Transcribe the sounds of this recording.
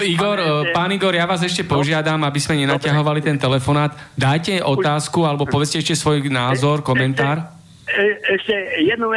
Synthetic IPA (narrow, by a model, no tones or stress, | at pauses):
iɡɔɾpaːniɡɔɾjaʋaːzɛʃcɛpɔʒɪad̪amabizmɛɲɛnacaɦɔʋalit̪ɛnt̪ɛlɛfɔnaːd̪ | d̪aːjcɛʔɔt̪aːskualɛbɔpɔʋɛt͡scɛɛʃcɛsʋɔjnaːzɔɾkɔmɛnt̪aːɾ | ɛʃcɛjɛd̪nu